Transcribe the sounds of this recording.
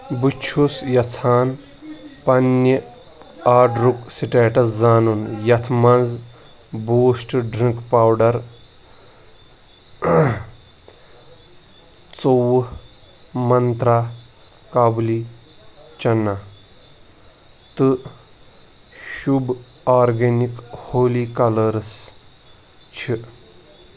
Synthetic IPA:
bɨt͡ʃʰusjɐt͡sʰaːn | pɐni | aːɖɾuksiʈeːʈɐszaːnunjɐt̪ʰmɐnd͡zz | buːsʈɖɾĩŋkpaːwɖɐɾ | t͡sow | mɐnt̪ɾaː | kabli | t͡ʃɐnːa | t̪ɨ | ʃub | aːɾɡenikhoːliːkɐlɐɾs | t͡ʃʰi

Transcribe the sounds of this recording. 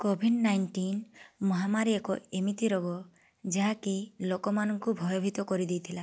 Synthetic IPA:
kobʱiɖnajnʈinmɔɦamaɾiekɔemit̪iɾɔɡɔ | d͡ʒaɦãkilokɔmanɔŋkubʱɔjɔbʱit̪ɔkɔɾid̪ejt̪ʰila

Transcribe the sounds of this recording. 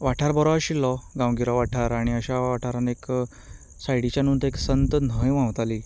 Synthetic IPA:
ʋaʈʰaɾbɔɾɔaɕilːɔɡãwɡiɾɔʋaʈʰaɾaɽ̃iəɕaʋaʈʰaɾanek | sajɽit͡ɕjanunt̪eksənt̪ən̤əjʋãwt̪ali

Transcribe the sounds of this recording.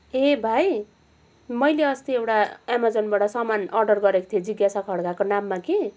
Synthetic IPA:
ebʱaj | mʌjleʌst̪iewʈaemad͡zʌnbaʈʌsʌmanʌrɖʌrɡʌɾeko̥t̪ʰied͡ziɡjasakʰʌɽkakonamːake

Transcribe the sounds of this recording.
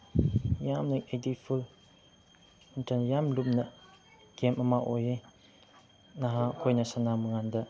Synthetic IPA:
jamnekedipʰul | untanjamlup̚nɐ | ɡ̥emamaʔoje | naɦakʰojnɐsanamɯŋandɐ

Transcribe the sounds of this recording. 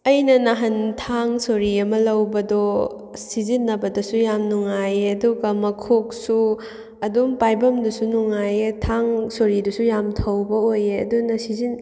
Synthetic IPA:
ɐjnɐnaɦɐntʰaŋsoɾiɐmɐlɐwbɐdo | sizinːɐbɐdɐsujamnuŋajeɐduɡɐmɐkʰok̚su | ɐdumpajbɐmdusunuŋajetʰaŋsoɾidusujamtʰɐwbɐojeɐ̰dunɐsizin

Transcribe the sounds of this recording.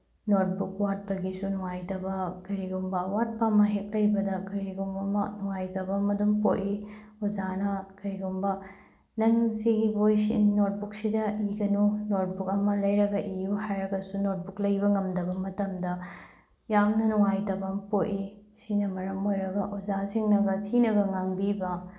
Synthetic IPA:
not̚buk̚wat̚bɐɡisunuŋajtɐbɐkɐɾiɡumbɐwat̚pamɐɦek̚lɐjbɐdɐkɐɾiɡumbɐmɐnuŋajtɐbɐmɐdumpoti | uzanɐkɐjɡumbɐ | nɐŋsiɡibojsḭnot̚buk̚sidɐiɡɐnunot̚buk̚ɐmɐlɐjɾɐɡɐʔijuhajɾɐɡɐsunot̚buk̚lɐjbɐŋɐmdɐbɐmɐtɐmdɐ | jamnɐnuŋajtɐbɐmpoti | sinɐmɐɾɐmojɾɐɡɐʔuzasiŋnɐɡɐtʰinɐɡɐŋaŋbibɐ

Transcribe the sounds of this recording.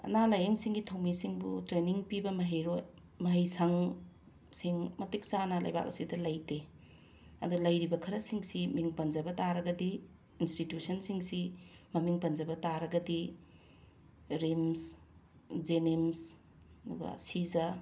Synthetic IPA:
ɐ̰nalɐjɐŋsiŋɡitʰɐwmisiŋbṵtɾeniŋpibɐmɐɦeɾoj | mɐɦɐjsɐŋ | siŋmɐtik̚t͡ʃanalɐ̰jba̰k̚ɐ̰sidɐlɐjte | ɐ̰dulɐjɾibɐkʰɐɾɐsiŋsimiŋpɐnd͡ʒɐbɐtaɾɐɡɐdi | institjusɐnsiŋsimɐmiŋpɐnd͡ʒɐbɐtaɾɐɡɐdi | ɾims | d͡ʒenims | duɡa̰sizɐ

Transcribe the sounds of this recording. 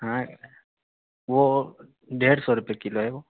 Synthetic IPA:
ɦã | ʋo | ɖeːɽsɔɾʊpiekɪloɦɛʋoː

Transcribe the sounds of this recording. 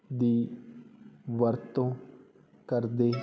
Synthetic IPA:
d̪iː | ʋəɾt̪õː | kəɾd̪eː

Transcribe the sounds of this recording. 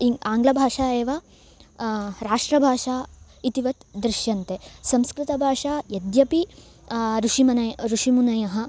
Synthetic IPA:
iaːŋɡlɐbʱaːʂaːeːʋɐ | ɾaːʂʈɾɐbʱaːʂaː | it̪iʋɐt̪d̪ɾɪʃjɐnt̪esɐmskɾit̪ɐbʱaːʂaːjɐd̪jɐpi | ɾuʂimɐnɐjɾuʂimunɐjɐɦɐ̆

